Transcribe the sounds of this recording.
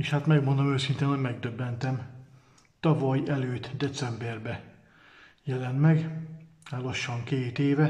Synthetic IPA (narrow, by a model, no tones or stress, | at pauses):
eːʃhat̪mɛɡmond̪omøːsint̪eːnhoɟmɛɡ̚d̪øbːɛnt̪ɛm | t̪ɒvɒjɛløːt̪d̪ɛt̪sɛmbɛrbɛ | jɛlɛnmɛɡ | haːloʃːɒŋkeːt̪eːvɛ